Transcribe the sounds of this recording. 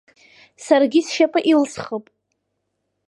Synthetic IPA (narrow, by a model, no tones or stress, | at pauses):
sarɡʲisʃapʼɨʔilsχəpʼ